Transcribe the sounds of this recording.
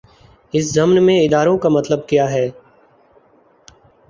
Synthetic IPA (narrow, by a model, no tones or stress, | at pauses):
ɪs̬zəmnmẽɪd̪aːɾõːkamɐt̪ləb̚kijaːɦɛː